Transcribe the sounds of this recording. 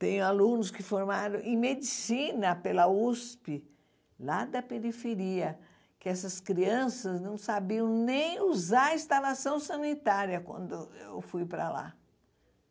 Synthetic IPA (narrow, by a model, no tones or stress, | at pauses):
t̪ẽɲʊalũnʊskɪfoɾmaɾɐ̃w̃ʔẽmed͡ʒisĩnɐpelɐuspɪ | lad̪ɐpeɾifeɾiɐ | kɪɛsɐskɾiɐ̃sɐznɐ̃w̃sabiɐ̃w̃nẽj̃uzaɾɐĩst̪alasɐ̃w̃sɐ̃nit̪aɾjɐkwɐ̰̃nd̪ʊewfujpɾɐ̰la̰